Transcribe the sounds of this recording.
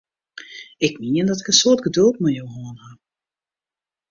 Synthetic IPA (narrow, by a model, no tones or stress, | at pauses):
ɪkmiəndɔtɪ̥kənsoːɹdɡədɵlˠtmajowɦoənha